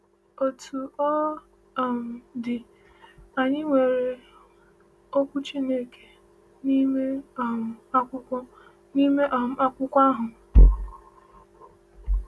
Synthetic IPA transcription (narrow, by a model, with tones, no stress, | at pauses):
o˨tʰu˨ɔ˦˨ | m̩˨dɪ˨ | a˨ɲɪ˦ŋʷe˨ɾe˨ | o˦kʷu˦t͡ʃi˦ne˦ke̥˨ | ni˦me˦˨ | a˦kʷʊ˦kʷɔ˦ | ni˦me˦ʔa˨m̩˨˦a˦kʷʊ˦kʷa˦ɦʊ˨